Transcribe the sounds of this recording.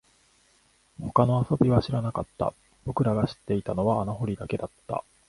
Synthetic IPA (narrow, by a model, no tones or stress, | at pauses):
ho̞kano̞aso̞bʲiβaɕiɾanakat̪ːa̰ | b̥o̞kɯ̟ɾaɡaɕi̥t̪ːe̞it̪ano̞βaːnaɦo̞ɾʲid̪ake̞d̪at̪ːa̰